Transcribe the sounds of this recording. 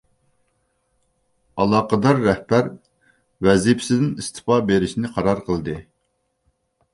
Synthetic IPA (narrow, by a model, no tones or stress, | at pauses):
ɑlˠɑːqəd̪ɑɾːɛhbæɾ | wɛzipʰsɪd̪ɪnist̪ʰɨ̥pɑbeɾɪʃinɪqʰɑɾɑɾqʰəlˠd̪ɨ